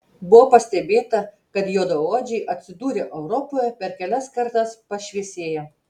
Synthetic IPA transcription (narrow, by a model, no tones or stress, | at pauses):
bʊʋopɐsʲt̪ʲɛbʲeːt̪ɐ | kɐt̪joːd̪ooːd͡ʒʲɛɪʔɐt̪ʲsʲɪd̪uːɾʲeʔɛʊɾɔpoːjɛpʲɛɾkʲɛlʲɛskɐɾt̪ɐspɐʃʲʋʲiɛsʲeːjɛ